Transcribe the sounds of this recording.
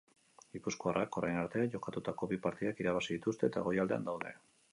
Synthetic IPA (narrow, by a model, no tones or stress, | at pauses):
ɡipusko̞arʔako̞ɾajnaɾt̪eaʝo̞kat̪ut̪ako̞βipaɾt̪iðakiɾaβasiðit̪ust̪e̞ːt̪aɣo̞jald̪e̞a̰nd̪awðe̞̰